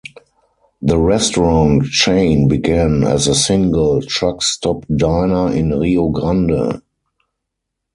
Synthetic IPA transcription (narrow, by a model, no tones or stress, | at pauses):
ðəɹɛstɔɹɔ̃nt͡ʃẽɪ̃nbiɡæ̃næ̰zəsɪ̃ŋɡəltɹakstɔpdaɪnəɪ̃nʁioɡʁãndə̰